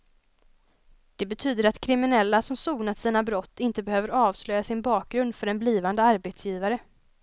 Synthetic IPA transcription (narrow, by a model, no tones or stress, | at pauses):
d̪̥ɛbɛt̪ʰyːd̪əɾat̪kʰɾɪmɪnɛlːasɔmsuːɡnat̪siːnabɾɔt̪ːɪnt̪əbɛhøːvəɾɑːvslœjːasɪnbɑːk̚ɡɾɵnd̪fœɾɛnbliːvand̪əaɾbet̪sjiːvaɾə